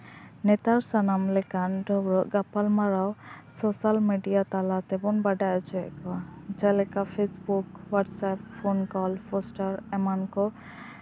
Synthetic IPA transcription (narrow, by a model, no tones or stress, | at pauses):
nɛt̪aɾsanamlɛkanɖʱɔbɾɔʔɡapalmaɾawsɔsalmeɖijat̪alat̪ɛbɔnbaɖajɔt͡ʃɔɛ̰kɔad͡ʒalɛkapʰesbukwaʈsappʰonkɔlpʰɔsʈaɾɛmankɔ